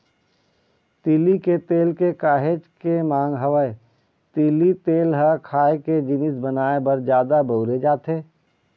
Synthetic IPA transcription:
t̪iːliket̪eːlkekaːɦed͡ʒkemãːŋɡɦəʋəe | t̪iːlit̪eːlɦəkʰaːeked͡ʒɪnɪsbɐnaːebɐɾd͡ʒjaːd̪abəʊɾed͡ʒaːt̪eː

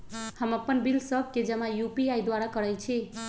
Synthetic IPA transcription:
həməpːənbilsəb̚ʱked͡ʒəmãjupiajd̪waɾakəɾəjt͡ʃʰi

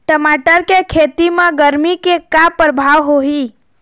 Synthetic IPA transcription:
ʈəmaʈəɾkekʰet̪imãɡəɾmikekapɾəbʱaʋɦoɦi

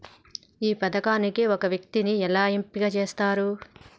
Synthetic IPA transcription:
iːpɐd̪ɐkaːnikiɔkɐʋjɐk̚t̪iniɛlaːimpiɡɐt͡ʃe̞ːst̪aːɾu

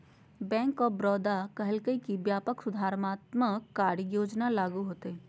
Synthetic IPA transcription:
bɛ̃ːŋkɔːbɾɔːd̪akəɦəlkəikibjaːpəksʊd̪ʱaːɾmaːt̪məkːaːɾəjoːd͡ʒnalaːɡuɦoːt̪eɛ̃

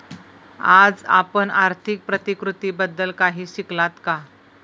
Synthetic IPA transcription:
ad͡za̰pəɳaɾt̪ʰik̚pɾət̪ikɾut̪iːbəd̪ːəlkaɦiːɕiklat̪ka

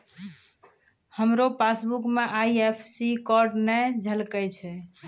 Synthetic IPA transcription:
həmɾopasbukmeʔajepʰsikɔɾɖnɛd͡ʒʱəlkət͡ʃʰɛ

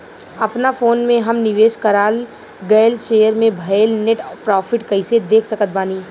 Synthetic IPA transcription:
ɐpnafoːnmẽɦɐmnɪʋeːʃkɐɾaːl | ɡɛːlʃeːjəɾmẽbʱɐlneʈpɾɔːfʰɪʈkɐɪsed̪eːkʰsɐkət̪̚baːniː

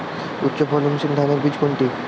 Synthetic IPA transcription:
utːɕopʰɔlomʃind̪ʱaneɾbid͡ʑkoɳʈi

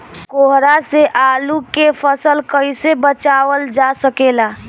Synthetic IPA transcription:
koɦɾaseʔalukepʰəsəlkəɪsebət͡ʃaʋəld͡ʒasəkela

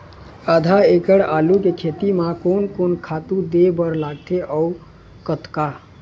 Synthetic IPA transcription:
əd̪ʱaekəɽaːlukekʰet̪imãkonkoːnkʰaːt̪ud̪ebəɾlaːɡt̪ʰeʔɔu | kət̪ka

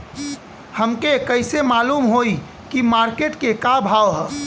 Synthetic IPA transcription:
həmkekəɪsemaːluːmɦoːi | kimaːɾkeːʈkekabʱaːʋɦɛː

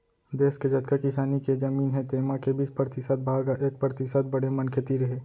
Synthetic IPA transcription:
d̪eːsked͡ʒɐt̪kakɪsaːniked͡ʒɐmiːnɦɛ̃t̪eːmakebʱispɾət̪ɪsəd̪̚bʱaːɡaʔeːk̚pɾət̪ɪsəd̪̚bɐɽemɐ̃nkʰet̪iɾɐɦeː

